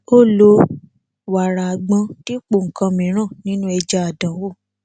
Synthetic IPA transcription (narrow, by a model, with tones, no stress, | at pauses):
o˦˨lo˧ | wa˨ɾa˨a˨ɡ͡bã˧ti˦k͡po˨ŋ̩˨kã˧mĩ˨˦ɾ̃ã˦˨nĩ˦nũ˦ɛ˧d͡ʒa˧a˨dã˨wo˦˨